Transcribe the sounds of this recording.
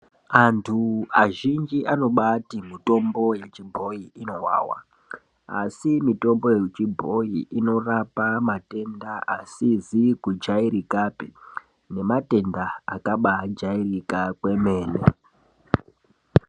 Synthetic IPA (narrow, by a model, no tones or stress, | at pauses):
antʰuaʒind͡ʒiʔano̞ɓatimito̞mbo̞je̞t͡ʃibʱo̞iino̞ɦwa̰ːwa̰ | a̰simito̞mbo̞jet͡ʃibʱo̞iʔino̞rapamate̞ndaʔasizikud͡ʒaiɾikape | ne̞mate̞nda̰ːkaɓad͡ʒairikakwe̞me̞ːne